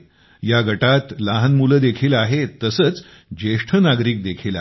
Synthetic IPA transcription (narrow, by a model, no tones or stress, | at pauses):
jaɡʱəʈat̪laɦənmuləd̪ekʰiːlaɦet̪əsəːt͡s | d͡ʑeʂʈʰənaɡɾiːk̚d̪ekʰiːla̰